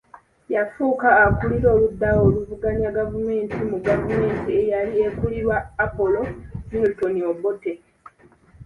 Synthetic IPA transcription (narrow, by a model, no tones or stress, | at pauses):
jafuːkaːkuliɾo̞ːludːawo̞ːluvuɡaɲaɡavume̞ːntʰimuɡavume̞ːntie̞jaliekuliɾwaːpo̞lo̞multoniobote